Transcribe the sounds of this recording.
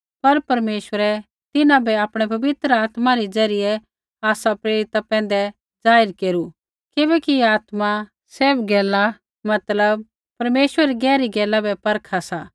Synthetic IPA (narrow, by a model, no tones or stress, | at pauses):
pɐɾpɐɾmeːʃwəɾɛ | t̪ɪnãbʱɛaːpɽ̃ɛpɐbɪt̪ɾəaːt̪maɾid͡zɐɾɪjɛ | aːsapɾeːɾɪt̪apɛ̃ːn̆d̪ɛ | d͡zaːɪɾkeːɾu | kɪbɛkiaːt̪mã | seːbɡɛːla | mɐt̪ləb̚ | pɐɾmeːʃwɾɛɾiɡɛːɾiɡɛːlabʱɛpɐɾkʰasaː